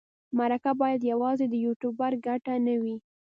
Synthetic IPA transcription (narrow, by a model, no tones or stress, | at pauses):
maɾakabɑjad̪jawɑzed̪əjuʈubaɾɡaʈanawi